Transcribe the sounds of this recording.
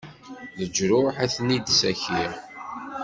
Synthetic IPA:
ðəd͡ʒɾʊħæθnid̪sæçiʁ

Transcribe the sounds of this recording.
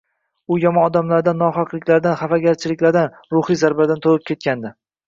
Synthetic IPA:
ʊjɒmɒnɒd̪amlaɾd̪anːɒχɒqlˠɪkʲlaɾd̪anχafaɡʲaɾt͡ʃʰɪlɪkʲlaɾd̪an | ɾʊχijzaɾbad̪ant̪ʰolɪp̚kʲʰe̞t̪̚kʲand̪ɪ

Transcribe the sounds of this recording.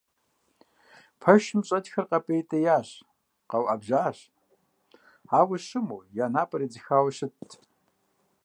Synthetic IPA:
pʰɐʃɪmɕʼɐtxɐrqɐpʼejtʼɐjaːɕ | qɐwʔabʒaːɕ | aːwɐɕɨmuːjaːnaːpʼɐɾid͡zɨxaːwɐɕɪtʰ

